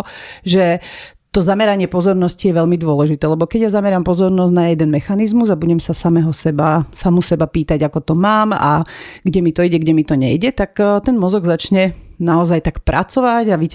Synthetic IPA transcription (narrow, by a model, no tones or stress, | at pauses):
ʒɛ | t̪ɔzamɛɾaɲɪɛpɔzɔɾnɔscijɛʋɛʎmid̪ʊɔlɛʒit̪ɛːlɛbɔkɛɟjazamɛɾampɔzɔɾnɔzɟnajɛd̪ɛnmɛxanizmuzabuɟɛmsasamɛɦɔsɛbasamusɛbapiːt̪aɟakɔt̪ɔmaːma̰ɡɟɛmit̪ɔiɟɛɡɟɛmit̪ɔɲɛ̰jɟɛt̪akt̪ɛnmɔzɔɡzat͡ʃɲɛnaɔzajt̪akpɾʔa̰t͡sɔʋaɟaʋi